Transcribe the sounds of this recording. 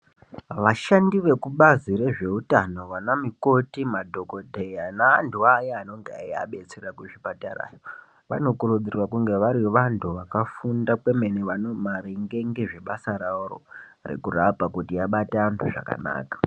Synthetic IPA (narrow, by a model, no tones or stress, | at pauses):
ʋaʃandiʋe̞kuɓazire̞ʐe̞utano̞ʋanamiko̞timadʱo̞ko̞dʱejanaːntʰuajaːno̞ŋɡea̰jia̰ɓe̞t͡serakuʐipatara̰ːjo | ʋa̰no̞kurud͡zirwakuŋɡe̞ʋaɾiʋantʰuʋakafundakwe̞me̞niʋanomaɾeŋɡe̞ŋɡeʐe̞ɓasaɾauro̰rḛkurapakutijaɓataːntʰuʐa̰ka̰na̰ːkḁ